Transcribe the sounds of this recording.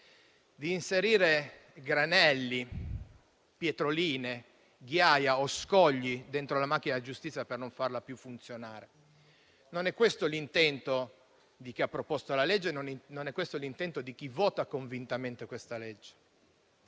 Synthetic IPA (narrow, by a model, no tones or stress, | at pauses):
d̪iːnseɾiːɾe | ɡɾanɛlːi | pjet̪ɾoliːne | ɡjajaoskɔʎːid̪ent̪ɾolamak̟ːinad͡ʒust̪it̪sjapernoɱfarlapjufːunt̪sjonaːɾe | nonɛkːwest̪olint̪ɛnt̪o | d̪ik̟iapːɾopɔst̪olaled͡ʒːenonnonɛkːwest̪olint̪ɛnt̪od̪ik̟ivɔːt̪akoɱvint̪ament̪ekwest̪aled͡ʒːe̥